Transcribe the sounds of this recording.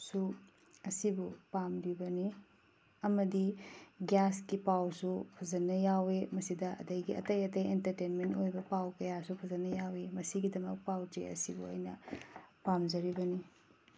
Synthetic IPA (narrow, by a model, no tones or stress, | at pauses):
su | ɐsibupamɾibɐni | ɐmɐdiɡjaskipawsupʰɐzɐnːɐjawemɐsidɐʔɐ̰dɐjɡiɐ̰tɐjɐtɐjentɐɾtenmentojbɐpawkɐjasupʰɐzɐnːɐjawemɐsiɡidɐmɐk̚pawtḛɐ̰sibṵɐ̰jnɐpamzɐɾibɐni